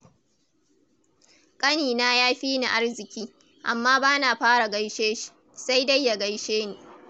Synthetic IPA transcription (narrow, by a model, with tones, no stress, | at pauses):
kʼɐ˦niː˨naː˦jaː˦ɸiː˦na˨ʔa˦rzɪ˨kʲiː˦ | ʔa̰˨mːaː˦baː˦naː˨ɸaː˦ɽa˨ɡa˦jʃeː˦ʃi̥˨ | sa˦jdɐ˦jːa˨ɡɐ˦jʃeː˦niː˨